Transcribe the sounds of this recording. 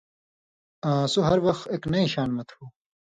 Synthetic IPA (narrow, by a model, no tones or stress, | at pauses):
ãsuɦɐɾwɐxt̪eːknɐiɕaːnmɐt̪ʰuː